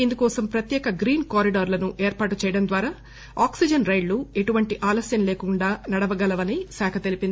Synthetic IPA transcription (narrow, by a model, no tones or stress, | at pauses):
ind̪ukɔːsɐmpɾɐt̪jɛːkɐɡɾiːnkaːɾiɖaːɾlɐnuʔeːɾpaːʈut͡ʃɛːjɐɽɐmd̪ʋaːɾaː | aːksid͡ʒɐnɾɐjɖlue̞ʈuʋɐɳʈiʔaːlɐsjɐnleːkuɳɖaːnɐɽɐʋɐɡɐlɐʋɐnisɛːkʰɐt̪e̞lipind̪i